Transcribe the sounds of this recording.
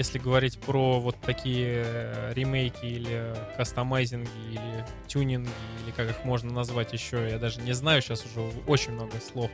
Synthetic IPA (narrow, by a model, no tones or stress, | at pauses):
jesʲlʲɪɡəvɐɾʲitʲpɾovo̞t̪ːɐkʲijəɾʲɪmʲejkʲɪilʲɪkɐst̪ɐmajzʲɪnɡʲɪilʲɪ | tʲunʲɪnɡʲɪilʲɪkakɨxmo̞ʐnənɐzvatʲjɪɕːojad̪aʐɨnʲɪznajʊɕasʊʐɛo̞t͡ɕɪnʲmno̞ɡəslˠo̞f